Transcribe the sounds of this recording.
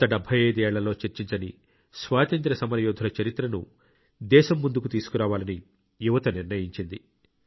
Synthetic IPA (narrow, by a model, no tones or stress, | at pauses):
t̪ɐɖɐbʱːɐjeːd̪ɛːɭːɐlo̞ːt͡ʃeɾt͡ʃiɲt͡ʃɐni | sʋaːt̪ɐnt̪ɾɐsɐmɐɾɐjɔːd̪ʱɐlɐt͡ʃɐɾit̪ɾɐnu | d̪ɛːʃɐmːund̪ukut̪iːsu̥kuɾaːʋaːlɐni | juʋɐt̪ɐniɾnɐjiɲt͡ʃind̪i